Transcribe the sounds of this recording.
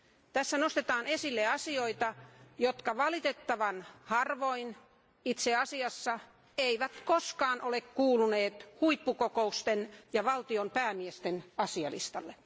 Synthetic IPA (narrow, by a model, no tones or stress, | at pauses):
t̪æsːænost̪et̪ɑːnesilːeɑsioit̪ɑjot̪kɑʋɑlit̪et̪ːɑʋɑnhɑrʋoin | it̪seɑsiɑsːɑ | eiʋæt̪koskɑːnʔolekkuːluneːt̪huipːukokoust̪enjɑʋɑlt̪iompæːmiest̪enɑsiɑlḭst̪ɑlːe